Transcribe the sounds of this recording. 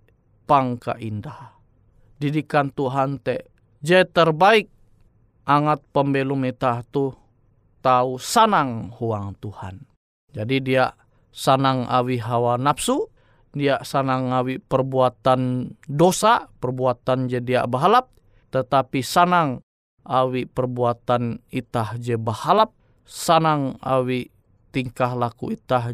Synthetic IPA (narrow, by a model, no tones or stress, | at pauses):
paŋka̰ʔindah | didikant̪uɦant̪ɛʔ | d͡ʒɛt̪ərbaik̚ | ʔaŋat̪̚pəmbelumit̪aht̪u | t̪ausanaŋhuaŋt̪uha̰n | d͡ʒadidiaʔ | sanaŋa̰wiɦawanapsu | diaʔsanaŋawipərbuat̪andosapərbuat̪and͡ʒədia̰ʔbəɦalap̚ | t̪ət̪apisanaŋ | ʔawipərbuat̪anit̪ahd͡ʒəbəhalap̚ | sanaŋa̰wi | t̪iŋkaɦlakuit̪ah